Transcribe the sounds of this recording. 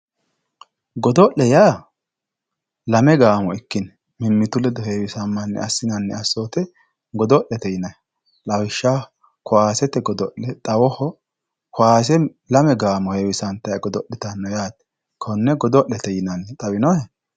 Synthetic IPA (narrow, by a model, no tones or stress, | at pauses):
ɡɔd̪ɔʔlɛjaː | lɐmɛɡaːmɔɪkːɪn | mɪmːɪt̪ʊlɛd̪ɔheːwɪsɐmːɐnːɛ̰ɐsːɪnɐnːɛ̰ɐsːoːt̪ɛ | ɡɔd̪ɔʔɛt̪ɛjɪnɐj | lɐwɪʃːa | kʊwaːsɛt̪ɛɡɔd̪ɔʔɛt̪ʼɐwɔhɔ | kʊaːs̬ɛ | lɐmɛɡaːmɔheːwɪsɐnt̪ɐjɐɡɔd̪ɔʔːɪt̪ɐnːɔjaːt̪ɛ̥ | kʰɔnːɛɡɔd̪ɔʔːɛt̪ɛjɪnɐnːɛt̪ʼɐwɪnɔhɛ